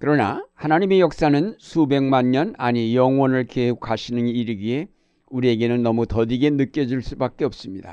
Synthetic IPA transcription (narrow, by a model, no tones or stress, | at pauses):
kɯɾʌna̰hanaɲime̞jʌk̚s͈anɯnsʰube̞ŋmaɲɲʌnaɲijʌŋwʌnɯɭkeukʰaɕʰinɯniɾɯɡie̞ | uɾie̞ɡe̞nɯnːʌmutʌdiɡe̞nɯk͈jʌd͡ʑuɭs͈ubak̚k͈e̞ʌp̚s͈ɯmɲida̰